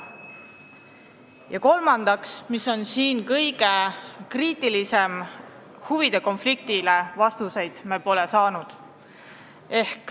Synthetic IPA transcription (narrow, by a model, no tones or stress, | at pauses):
jɑko̞lmɑnd̪̥ɑksmiso̞nsiːnkɤjɡ̥e̞kriːt̪ˑilise̞m | huvid̪e̞ko̞nflik̚t̪ile̞vɑst̪use̞jd̪̥mepo̞le̞sɑːnud̪̥ | e̞hk